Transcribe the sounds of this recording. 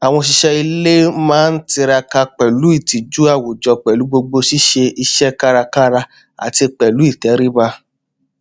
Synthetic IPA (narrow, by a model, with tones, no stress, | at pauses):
a˨w̃ɔ̃˧ʃi˧ʃɛ˧i˧le˦mãː˦n̩˦ti˧ɾa˧ka˧k͡pɛ˨lu˨˦i˦˨ti˨d͡ʒu˦a˦˨wo˨d͡ʒɔ˧k͡pɛ˨lu˨˦ɡ͡bo˧ɡ͡bo˧ʃi˦ʃe˧i˧ʃɛ˦ka˦ɾa˧ka˦ɾa˧ | a̰˨ti˧k͡pɛ˨lu˨˦i˦˨tɛ˨˦ɾi˦ba˧